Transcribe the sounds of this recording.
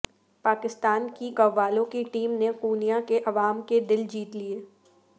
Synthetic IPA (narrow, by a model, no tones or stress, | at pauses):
paːkɪst̪aːnkiɡɐʋːaːlõkiʈiːmnequːnijakeʔɐʋaːmked̪ɪld͡ʒiːt̪lieː